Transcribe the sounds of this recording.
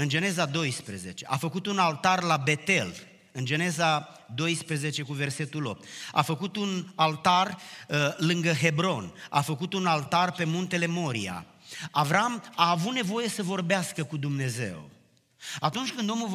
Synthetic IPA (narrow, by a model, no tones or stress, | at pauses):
ɨnd͡ʒe̞ne̞zad̪o̞jspɾeze̞t͡ʃe̞ʔafəkut̪unalt̪arlabe̞t̪e̞l | ɨnd͡ʒe̞ne̞za | d̪o̞jspɾeze̞t͡ʃe̞kuve̞rse̞t̪ulo̞̰p̚t̪a̰fəkut̪unalt̪ar | lɨŋɡəɦe̞bɾo̞na̰fəkut̪unalt̪arpe̞munt̪e̞le̞mo̞ɾḭa̰ | avɾamaːvut̪ne̞vo̞je̞səvo̞rbeaskəkud̪umne̞ze̞̰w | at̪unt͡ʃʲkɨnd̪o̞mul